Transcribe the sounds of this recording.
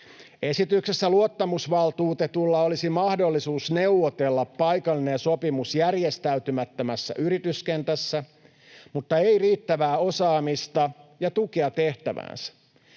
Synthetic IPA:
e̞sit̪yksesːæluot̪ːɑmusʋɑlt̪uːt̪et̪ulːɑolisimɑhdolːisuːsne̞wʋot̪elːɑpːɑjkɑlːinenso̞pimusjærjest̪æyt̪ymæt̪ːømæsːæ̰ʔyɾit̪yskent̪æsːæ | mut̪ːɑeiriːt̪ːæʋæːo̞sɑːmist̪ɑjɑt̪ukeɑt̪e̞ht̪æʋæ̰ːnsæ̥

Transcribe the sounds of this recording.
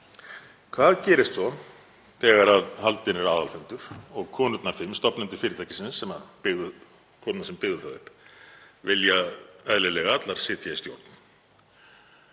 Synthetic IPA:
kʰvaðcɛːɾɪst̪sɔn | θɛːɣaɾaðhalt̪ɪnɛɾaːðalfʏnt̪ʏɾ̥ɔɣkʰɔːnʏt̪nafɪmst̪ɔpnɛnt̪ʏ̥fɪːɾɪt̪ʰajcɪ̥sɪnsːɛmaðpɪɣðʏ | kʰɔːt̪nasɛmpɪɣðʏθaðʏhp | vɪljaœðlɪlɛɣaat̪laɾ̥sɪːt̪jaist̪jo̰wɾt̪n̥

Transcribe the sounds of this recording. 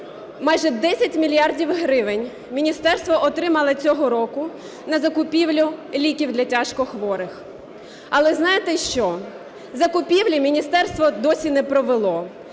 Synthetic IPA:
mɑjʒɛd̪ɛsʲɐtʲmʲilʲjɑrdʲiwɦɾɪʋenʲ | mʲinʲist̪ɛrst̪ʋɔʔɔt̪ɾɪmɐlˠɪt͡sʲɔɦɔɾɔkʊ | nɐzɐkʊpʲiwlʲʊlʲikʲiwd̪lʲɐtʲaʃkɔxʋɔɾɪx | ɐlˠɛznɑjet̪ɛʃt͡ʃɔ | zɐkʊpʲiwlʲimʲinʲist̪ɛrst̪ʋɔd̪ɔsʲinɛpɾɔʋelˠɔ

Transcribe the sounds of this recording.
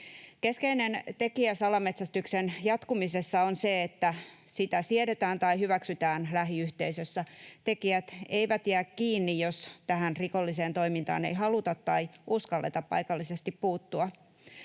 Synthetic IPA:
keskeinent̪e̞kiæsɑlɑmet̪sæst̪yksenjɑt̪kumisesːɑonseet̪ːæ | sit̪æsieɾet̪æːnt̪ɑihyʋæksyt̪æːnlæɦiyht̪eisøsːæt̪e̞kiæt̪e̞iʋæt̪jæːkkiːnːijjost̪æhænriko̞lːiseːnt̪o̞imint̪ɑ̰ːnḛjɦɑlut̪ɑt̪ːɑiuskɑlːḛt̪ɑppɑ̰jkɑlːisest̪ippuːt̪ːuɑ

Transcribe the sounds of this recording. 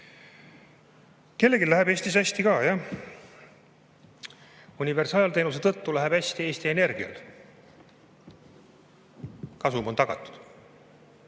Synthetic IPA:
ke̞lːe̞ɡilæɦebe̞ːsʲt̪isæsʲt̪ikɑːjɑ | unʲive̞rsɑːɑlt̪e̞ːnus̬e̞t̪ɤt̪ːulæɦeb̥æsʲt̪ie̞ːst̪ie̞ne̞rɡ̥iɑ̰l | kɑsumo̞nt̪ɑɡ̥ɑ̰t̪ːˑu̥d̪̥

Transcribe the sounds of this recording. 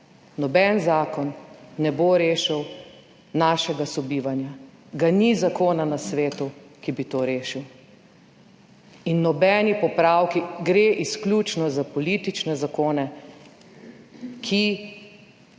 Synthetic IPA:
nɔbɛnzaːkɔnːɛboɾeːʃiw | naːʃɛɡasɔbiːʋanja | ɡanizakoːnanasʋeːt̪ukibit̪oːɾeːʃiw | inːɔbɛːnipɔpɾaːwkiɡɾeːʔisklʲut͡ʃnɔzapɔlit̪it͡ʃnɛzakoːnɛ | kʰi

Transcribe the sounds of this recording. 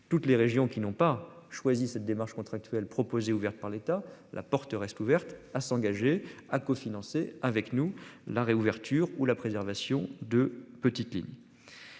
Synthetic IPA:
t̪ut̪leʁeʒjɔ̃kʲinɔ̃pa | ʃwazisɛt̪̚d̪emaʁʃkɔ̃t̪χak̚t̪ɥɛlpχɔpozeuvɛʁt̪̚paʁlet̪alʔa̰pɔʁt̪əʁɛst̪uvɛʁt̪asɑ̃ɡaʒeakofinɑ̃seavɛknulaʁeuvɛʁt̪yʁulapχezɛʁvasjɔ̃d̪əpət̪it̪lḭɲ

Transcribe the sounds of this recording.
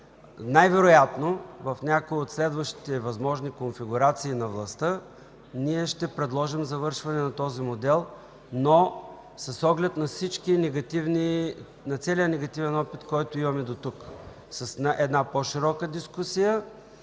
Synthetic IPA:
najvɛɾojat̪novɐfnʲakoiot̪slɛd̪vəʃt̪i̥t̪ɛvɐzmɔʒnikonfiɡʊɾat̪siːnɐvlˠɐst̪ɤ | niɛʃt̪ɛpɾɛd̪lˠɔʒimzɐvɤɾʃvɐnɛnɐt̪ɔzimod̪ɛlˠ | no | sɐsɔɡlɛt̪nɐfsit͡ʃkinɛɡɐt̪ivni | nɐt̪sɛlijənɛɡɐt̪ivɛnɔpit̪kɔjt̪oimɐmɛd̪ot̪uk | sɐsnʔɛd̪napoʃiɾɔkəd̪iskusijə

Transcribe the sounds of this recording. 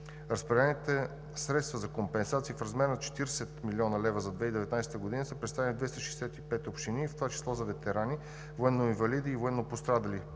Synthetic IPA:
ɾɐspɾɛlɛnit̪ɛ | sɾɛt̪st̪vəzɐkompɛnsat̪siːfɾɐzmɛɾnɐt͡ʃɛ̥t̪iɾsɛt̪milʲɔnɐlɛvəzɐd̪vɛid̪ɛvɛt̪najsɛt̪əɡod̪inəsəpɾɛt̪t̪avɛnid̪vɛst̪ɐʃɛjsɛt̪ipɛt̪opʃt̪inift̪ovat͡ʃi̥slˠɔzɐvɛt̪ɛɾani | voɛnːoiɱvɐlid̪iːvoɛnːopost̪ɾad̪ɐli

